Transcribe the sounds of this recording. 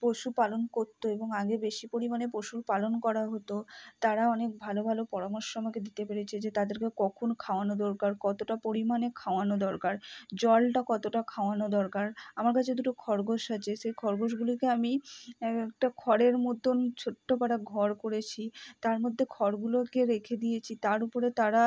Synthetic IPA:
poʃupalonkoɾt̪ːoeboŋaɡebeʃipoɾimanepoʃuɾpalonkɔɾaɦot̪ot̪aɾaɔnek̚bʱalobʱalopɔɾamoɾʃɔmɔeked̪it̪epeɾet͡ɕʰed͡ʑet̪ad̪eɾkekɔkʰonkʰaoanod̪ɔɾkaɾkɔt̪oʈapoɾimanekʰaoanod̪ɔɾkaɾd͡ʑɔlʈakɔt̪oʈakʰaoanod̪ɔɾkaɾamaɾkat͡ɕʰed̪uʈokʰɔɾɡoʃat͡ɕʰeʃejkʰɔɾɡoʃ̬ɡulokeami | ɛkʈakʰɔɾeɾmod̪ʱont͡ɕʰoʈːopaɽaɡʱɔɾkoɾet͡ɕʰit̪aɾmod̪ʱːekʰɔɾɡulokeɾekʰed̪ijet͡ɕʰit̪aɾupoɾet̪aɾa

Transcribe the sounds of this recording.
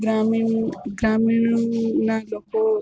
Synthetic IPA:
ɡɾaːminɡɾaːmiɳnaloːko

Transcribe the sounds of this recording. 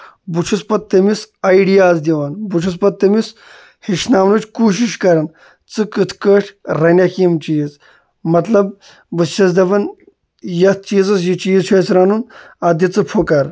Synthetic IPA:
but͡ʃʰuspɐt̪̚t̪ːɐmisɐjɖijaːzd̪ʲiʋanbut͡ʃʰus̬pɐt̪̚t̪ːɐmis | hiʃnaːmnut͡ʃʰʲkuːʃ̬iʃkɐɾɐn | t͡sɨkɨt̪ʰkəːʈʰɾɐnʲɐkiːmt͡ʃiːz | mɐt̪lɐb | bɨst͡ʃʰɐsd̪ɐbɐn | jɐst̪̚ʰt͡ʃiːzɐs̬jit͡ʃiːzt͡ʃʰɐːsɾanun | ɐd̪ʲit͡sɨpʰokɐɾ

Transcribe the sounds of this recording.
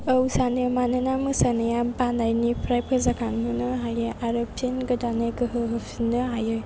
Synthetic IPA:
əwsanɯmanɯnamɯsanɯjabanajnipʰɾajpʰəzakanɦɯnɯɦajɯʔaɾopʰinɡɯdaneɡɯɦɯɦɯfʰinɯɦajɯ

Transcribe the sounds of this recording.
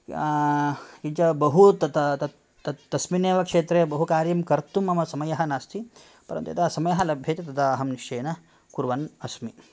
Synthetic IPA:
kiɲt͡ʃɐbɐɦut̪ɐt̪ɐt̪ɐ | t̪ɐt̪ɐsmineːʋɐkʂeːt̪ɾeːbɐɦukaːɾjɐmkɐɾt̪umɐmɐsɐmɐjɐɦɐnaːst̪ʰi | pɐɾɐ̰nt̪uḭt̪ɐsɐmɐjɐɦɐlɐbʱjeːt̪et̪ɐd̪ɐːɦɐmniʂʈeːnɐ | kuɾʋɐnɐsmi

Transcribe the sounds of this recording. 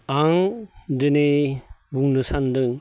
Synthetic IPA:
aŋdɯnebuŋnɯsandɯŋ

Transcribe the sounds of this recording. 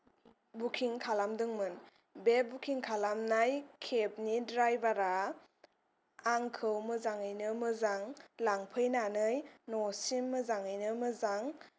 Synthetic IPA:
bukʰiŋkʰalamdɯŋmɯn | bebukʰiŋkʰalamnajkʰep̚nidɾajbaɾa | aŋkʰɯwmɯzaŋɯjnɯmɯzaŋlaŋpʰɯjnanɯjnɔsimːɯzaŋɯjnɯmɯzaŋ

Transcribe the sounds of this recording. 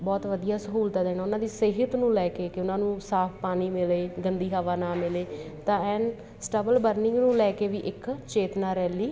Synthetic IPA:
bɔːt̪ʋəd̪ijaːsəɦuːlt̪aːd̪eːnaːʊnãːd̪iːseːɦət̪nũːlɛːkeːkɪʊnãːnũːsaːpʰpaːniːmɪleːɡənd̪iːɦaʋaːnaːmɪleː | t̪ãːɛːn | sʈəbəlbəɾnɪ̃ŋɡnũːlɛːkeːʋiːʔɪkt͡ʃeːt̪naːɾɛːliː

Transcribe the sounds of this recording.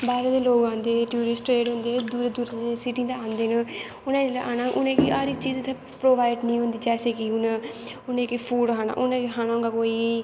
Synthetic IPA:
baːɾed̪eloːɡãːnd̪eʈjuːɾɪsʈɾeːɖɦũnd̪ed̪uːɾed̪uːɾesiʈĩt̪aaːnd̪enə | ʊnãelaʔaːnaʔṵnẽkiaɾik̚t͡ʃiːd͡ʒt̪ʰe | pɾoːbaːɪɖnĩɦũnd̪id͡ʒɛːsekiunəʊnẽkipʰuːɽɦaːna̰ʔunẽkiɦaːnaũŋɡakoːi

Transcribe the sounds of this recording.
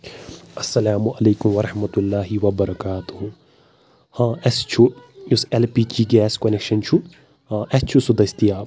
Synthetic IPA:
ɐsːɐlaːmuʔɐleːkʊmʋɐɾɐħmɐt̪ulːaːɦiʋɐbɐɾɐkaːt̪uhu | hãːɛst͡ʃʰujusɛlpikiɡɛːskɔnekʃɐnt͡ʃʰu | ãʔɛst͡ʃʰusud̪ɐst̪ijaː

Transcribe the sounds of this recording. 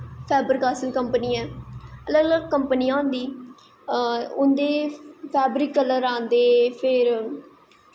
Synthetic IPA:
pʰɛːbəɾkaːsəlkəmpəniːɛ̃ːələɡələɡ̚kəmpənɪjãːnd̪iː | ʊnd̪eːpʰɛːbɾiːkːələɾãːnd̪eːpʰɪɾ

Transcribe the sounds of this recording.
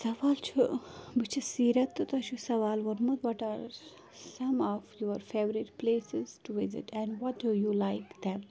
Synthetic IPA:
sɐʋaːlt͡ʃʰubit͡ʃʰisiːɾɐt̪ːt̪ɐt͡ʃʰusɐʋaːlʋɔɾmɐt̪ʋɔʈaːɾ | sɐ̃mɔʋjoɾfeːʋɾiʈpleːsɪz̥ʈuʋɪzɪ̰ʈɛ̃nɖʋɔʈ̚dujulaɪkd̪ɛ̃m

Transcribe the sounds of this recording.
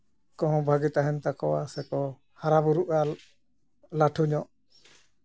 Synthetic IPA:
kɔ̃ɦɔ̃bʱaɡit̪aɦɛnt̪akɔwasɛkɔ | haɾabuɾuʔa | laʈʰuɲɔʔ

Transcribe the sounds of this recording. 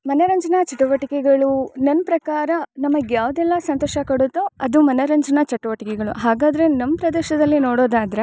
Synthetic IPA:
mɐnɐɾɐɲd͡ʒɐnɐt͡ʃɐʈːɐʋɐʈikɛɡɐɭunɐnːpɾɐkaːɾɐnɐmɐɡjaːʋɐd̪ɛlːɐsɐnt̪ɔːʃɐkɐɽut̪ːoɐd̪umɐnɐɾɐɲd͡ʒɐnɐt͡ʃɐʈːɐʋɐʈikɛɡɐɭuɦaːɡaːd̪ɐɾe̞nɐmːpɾɐd̪eːʃɐd̪ɐlːinoːɽoːd̪aːd̪ɾe

